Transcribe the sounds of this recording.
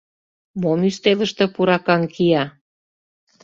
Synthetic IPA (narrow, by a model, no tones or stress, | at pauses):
momyst̪elə̆ʃt̪ĕpuɾɑkɑŋkʰijɑ